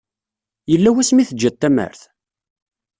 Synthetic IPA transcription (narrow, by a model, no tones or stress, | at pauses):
jəlːæwæsmiθəd͡ʒːæt̪ːæmə̰ɾθ